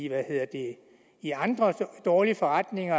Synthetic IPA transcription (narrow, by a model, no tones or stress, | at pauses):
ʋæhe̝ð̰ˠɐd̥e̝ | iɑ̈nd̥ʁɐd̥ɒːlifɒ̽ʁɑd̥ne̝ŋɐ